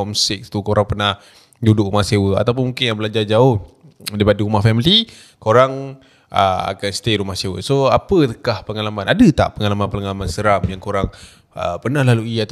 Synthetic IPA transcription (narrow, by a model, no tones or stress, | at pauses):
ɔmsɪk̚t̪ukoɾaŋpənah | dudʊʔɾumahsewəa̰t̪awp̬ʊnmuŋkɪnjaŋbəlad͡ʒard͡ʒaʊh | daɾipadəɾumahfɛmili | koɾaŋ | ʔə̰a̰kanst̪eɾumahsewə̰soapət̪əkahpəŋalamanadət̪a̰ʔpəŋalamanpələŋalamansəɾamjaŋkoɾaŋ | əpənahlaluiat̪